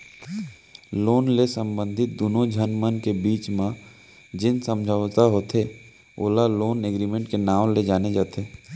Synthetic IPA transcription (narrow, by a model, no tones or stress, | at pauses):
loːnlesə̃mbə̃nd̪ʱɪt̪̚d̪oːnõd͡ʒʱənmənkebiːt͡ʃmã | d͡ʒɪnsə̃md͡ʒʱəʋt̪aɦoːt̪ʰe | o̰ːlaloːneɡɾiːmẽɳʈkenaːmled͡ʒaːned͡ʒaːt̪ʰeː